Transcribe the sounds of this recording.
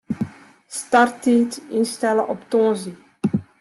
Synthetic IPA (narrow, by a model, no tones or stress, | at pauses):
stɑrtiːtɪnstɛləʔɔptɔ̃ːzi